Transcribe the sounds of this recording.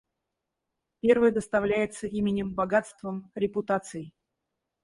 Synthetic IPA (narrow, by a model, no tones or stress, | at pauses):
pʲe̞rvɨjəd̪əst̪ɐvlʲæjɪt̪səʔimʲɪnʲɪmbɐɡat̪st̪vəmɾʲɪpʊt̪at̪sɨɪ